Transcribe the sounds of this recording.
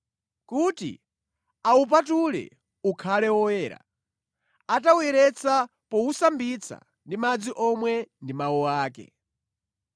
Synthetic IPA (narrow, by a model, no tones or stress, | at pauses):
kutḭ | aup̬atulɛ̰ | ukʰalɛwɔwɛːɾa̰ | atawɛɾɛt͡sa | pɔusambit͡sʰa̰ | ndimad͡ziʔɔmwɛndimawɔwaːkɛ̰